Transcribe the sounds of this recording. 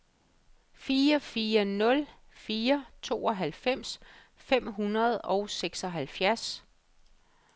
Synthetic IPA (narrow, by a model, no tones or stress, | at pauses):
fiːɐfiːɐnɔ̽l | fiːɐt͡sʰo̝ːɒ̽ɦælfem̰s | fem̰ɦunɐð̞ˠɒ̽ʊseɡ̥sɒɦælfjæɐs